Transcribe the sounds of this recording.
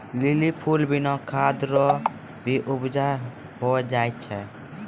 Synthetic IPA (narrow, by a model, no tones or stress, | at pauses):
lɪlipʰuːlbɪnɔ̃kʰaːd̪ɾɔ | bʱiʔʊbd͡ʒa | ɦoɛd͡ʒaːjt̪t͡ʃʰɛ